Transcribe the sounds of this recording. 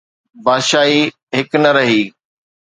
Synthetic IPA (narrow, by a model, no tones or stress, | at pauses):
baːd̪ʃaːi | ɦɪknɐɾɐɦiː